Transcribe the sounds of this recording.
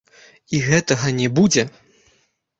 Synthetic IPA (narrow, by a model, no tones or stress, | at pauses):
iɣɛt̪ɐɣɐnʲɛbud͡zʲɛ